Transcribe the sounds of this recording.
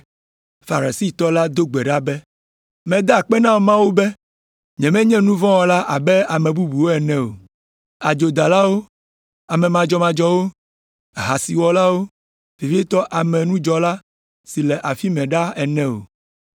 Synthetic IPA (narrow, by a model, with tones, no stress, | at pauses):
fa˨ɾa˨si˦t̪ɔ˦la˦d̪o˦ɡ͡bɛ˨ɖa˦bɛ˦ | mɛ̃˨d̪a˦˨k͡pɛ˦nã˦wmã˦wo˦bɛ˦ | ɲɛ̃˨mɛ̃˦ɲɛ̃˦nũ˦vɔ̃˦wɔ˨la˦ʔa˨bɛ˦a˨mɛ̃˨bu˦bu˨wo˦ɛ˨nɛ̃˦o̰˨ | a˨d͡ʒo˨d̪a˨la˦wo˦ | a˨mɛ̃˨mã˨d͡ʒɔ˦mã˨d͡ʒɔ˦wo˦ | ɦa˨si˨wɔ˨la˦wo˦ | fi˨vi˦e˦t̪ɔ˦ʔa˨mɛ̃˨nũ˦d͡ʒɔ˨la˦ | si˨lɛ˨ʔa˨fi˦mɛ̃˨ɖa˦ɛ˨nɛ̃˦o̰˨